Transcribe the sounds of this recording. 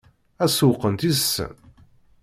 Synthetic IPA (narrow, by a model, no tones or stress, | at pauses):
æsuqːənt̪izəsːə̰n